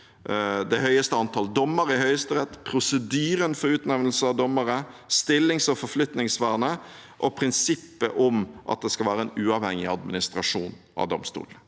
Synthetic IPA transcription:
d̪ɛhœʏəst̪əɑnt̪ʰɑːld̪ɔmːəɾɪhœʏəst̪əɾɛt̪ːpʰɾʊsəd̪yːɾənfɔɾʉːt̪nɛʋnl̩səɑʋd̪ɔmːəɾəst̪ɪlːɪŋsɔfɔɾflʏt̪nɪŋsʋæːʁnə | ʔɔpʰɾɪnsɪpːə̰ʔʊmʔɑ̰t̪̚d̪ɛskɑlʋæːɾəɛnʉːɑʋhɛŋɪɑd̪mɪnɪst̪ɾɑʂuːn | ɑ̰ʋd̪ɔmst̪ṵːlənə

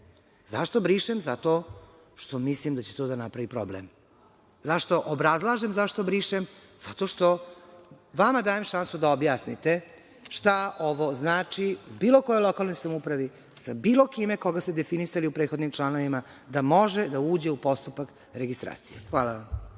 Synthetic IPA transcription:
zaʃt̪o̞bɾiːʃemzat̪o̞ | ʃt̪o̞mislimd̪at͡ɕet̪o̞d̪anapɾaʋipɾoblḛm | zaʃt̪o̞ʔobɾazlˠaːʒemzaʃt̪o̞bɾiʃem | z̥at̪o̞ʃt̪o̞ | ʋamad̪aːje̞mʃansud̪aobjaːsnit̪e | ʃt̪ao̞ʋo̞znaːt͡ʂiubiːlˠo̞kojolˠo̞kalˠno̞jsamupɾaʋi | sabiːlokime̞ko̞ɡast̪ed̪e̞finisaliupɾet̪xo̞d̪nimt͡ʃlˠanoʋima | d̪amo̞ʒed̪auːd͡ʑe̞upo̞st̪upak | ɾeɡist̪ɾa̰ːt̪sijexʋaːlˠaʋam

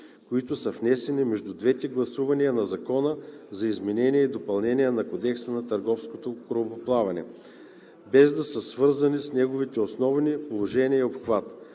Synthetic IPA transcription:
koit̪ʊsəfnɛsɛnimɛʒd̪ud̪vɛt̪ɛɡlˠɐsuvɐniənɐzɐkɔnəzɐizmɛnɛniɛid̪opɐlˠnɛnijənɐkod̪ɛksənɐt̪ɐɾɡɔfskot̪okɾopoplˠavɐnɛ̰ | bɛzd̪ɐsəsvɤɾzɐnisnɛɡovit̪ɛosnɔvnipolˠoʒɛniəiopxvat̪

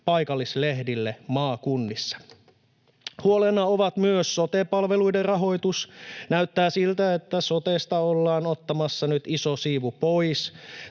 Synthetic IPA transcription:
pɑjkɑlːislehdilːemɑːkunːisːɑ̥ | huolenːɑoʋɑt̪myøsso̞t̪epɑlʋe̞lujderrɑɦo̞jt̪usnæyt̪ːæːsilt̪æet̪ːæso̞t̪est̪ɑolːɑːnot̪ːɑmɑsːɑnyt̪isosiːʋupo̞js

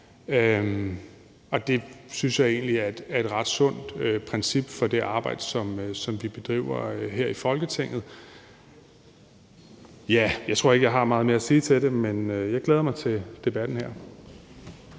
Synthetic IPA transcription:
ø | ɒ̽d̥e̝synsjɑ̈ɪe̝̰ːnliæɐed̥æɐe̝d̥ʁɑ̈d̥sɔ̽n̰d̥øpʰʁɛnsib̥fɒ̽d̥e̝ʔɑ̈ːb̥ɑ̈ɪ̰d̥əsɒ̽msɒ̽mʋib̥e̝d̥ʁḭʊ̰ɐøɦeɐ̰ifɒ̽lɡ̥ət͡sʰe̝ŋ̰ð̞̩ˠ | jæjɑ̈ɪt͡sʰʁo̝ɐ̰eɡ̥əjɑ̈ɪɦɑ̈mɑ̈ːð̞̩ˠmeɐæsiːt͡sʰe̝ɾe̝menøjɑ̈ɪɡ̥leːðˠɐmɑ̈ɪt͡sʰe̝d̥e̝b̥æd̥n̩hæɐ̰

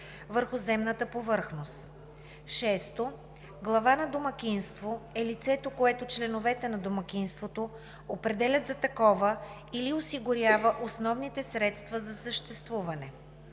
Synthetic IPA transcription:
vəɾxʊzɛmnət̪əpovɤɾxnost̪ | ʃɛst̪o | ɡlˠɐvanɐd̪omɐkʲinst̪voɛlit̪sɛt̪okoɛt̪ot͡ʃlɛnovɛt̪ɛnɐd̪omɐkʲinst̪vot̪o | opɾɛd̪ɛlʲɐt̪zɐt̪ɐkɔvə | iliosiɡʊɾjavəʔosnɔvnit̪ɛsɾɛt̪st̪vəzɐsəʃt̪ɛst̪vuvɐnɛ

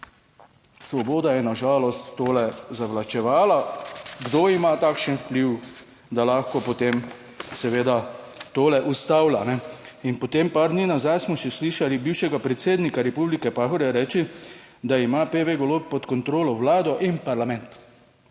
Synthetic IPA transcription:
sʋɔboːd̪ajɛnaʒaːlɔst̪ːoːlɛzaʋlat͡ʃɛʋaːlaɡd̪oimat̪aːkʃənwpliw | d̪alaxkɔpɔt̪em | sɛʋeːd̪at̪oːlɛʔust̪aːwlanɛ | inpɔt̪empaɾd̪niːnazajsmɔʃɛsliʃalibiwʃɛɡapɾɛt̪seːd̪nikaɾɛpublikɛpaːxɔɾjɛɾɛːt͡ʃi | d̪aimapeʋeɡɔloːppːɔt̪kɔnt̪ɾoːlɔwlaːd̪ɔʔinpaɾlamɛnt̪

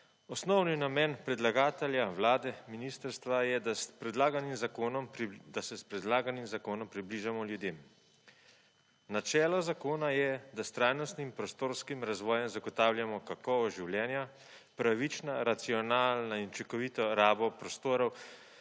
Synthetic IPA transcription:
ɔsnɔwninamɛːnpɾɛd̪laɡaːt̪ɛljawlaːd̪ɛminist̪əɾst̪ʋajɛd̪aspɾɛd̪laːɡanimzakoːnɔmd̪asɛspɾɛd̪laːɡanimzakoːnɔmpɾibliːʒamɔljud̪eːm | nat͡ʃɛːlɔzakoːnajɛd̪ast̪ɾaːjnɔst̪nimpɾɔst̪oːɾskimɾazʋɔːjɛmzaɡɔt̪aːwljamɔkakɔʋɔʒiwljɛːnja | pɾaʋit͡ʃnaɾat̪siɔnaːlnaint͡ʃɛkɔʋiːt̪ɔɾaːbɔpɾɔst̪oːɾɔw

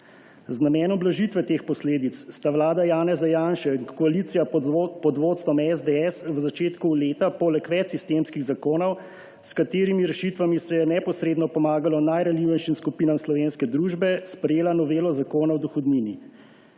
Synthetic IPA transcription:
znamɛːnɔmblaʒit̪ʋɛt̪eːxpɔsleːd̪it̪sst̪aʋlaːd̪ajaːnɛzajaːnʃɛŋɔaliːt̪sijapɔd̪ʋoːt̪st̪ʋɔmɛzd̪ɛɛsʋəzat͡ʃeːt̪kuleːt̪apɔlɛkʋɛt͡ʃsist̪eːmskiɣzakoːnɔw | skat̪eːɾimiɾɛʃit̪ʋamisɛjɛnɛpɔsɾeːd̪nɔpɔmaːɡalɔnajɾaliːwʋɛjʃimskupiːnamslɔʋeːnskɛd̪ɾuːʒbɛspɾɛjeːlanɔʋeːlɔzakoːnawd̪uxɔd̪nini

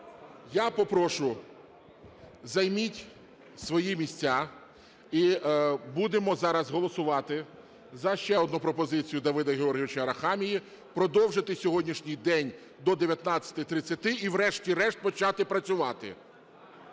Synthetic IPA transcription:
japɔpɾɔʃʊ | zɐjmʲitʲ | sʋɔjimʲisʲt͡sʲa | ibud̪emɔzɑɾɐzɦɔlˠɔsʊʋɑt̪ɪ | zɐʃt͡ʃɛɔd̪nupɾɔpɔzɪt͡sʲijʊd̪ɐʋɪd̪ɐɦʲeɔrɦʲiʋɪt͡ʃɐɾɐxɑmʲiji | pɾɔd̪ɔwʒɪt̪ɪsʲɔɦɔdʲnʲiʃnʲijd̪ɛnʲ | d̪ɔd̪eʋʲjɐt̪nɑt͡sʲːɐ̥t̪ɪt̪ɾɪt͡sʲːɐt̪ɪʔiwɾɛʃtʲiɾɛʃt̪̚pɔt͡ʃɑt̪ɪpɾɐt͡sʲʊʋɑt̪ɪ̰

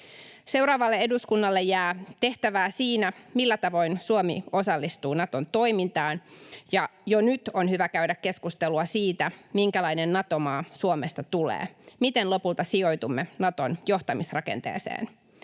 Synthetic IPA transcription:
se̞wɾɑːʋɑlːee̞duskunːɑlːejæːt̪e̞ht̪æʋæːsiːnæmilːæt̪ɑʋo̞insuomḭo̞sɑlːist̪uːnɑt̪o̞nt̪o̞jmint̪ɑːnjɑjonyt̪o̞nhyʋækæɥdækːe̞skust̪eluɑsiːt̪æmiŋkælɑjnenːɑt̪o̞mɑːsuome̞st̪ɑt̪ulḛːmit̪enlo̞pult̪ɑsio̞jt̪umːenɑt̪o̞njo̞ht̪ɑmisrɑke̞̰nt̪ḛːsḛːn

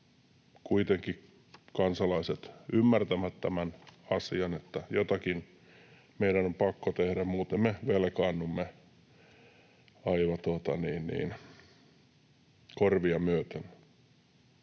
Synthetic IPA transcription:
kuit̪eŋki | kɑnsɑlɑiset̪ymːært̪æmæt̪t̪æmænɑsiɑnet̪ːæjot̪ɑkin | meidænompɑkːot̪ehɾæmmuːt̪emmeʋelkɑːnːumːe | ɑiʋɑt̪uot̪ɑniːnnḭːn | korʋiɑmyøt̪enː

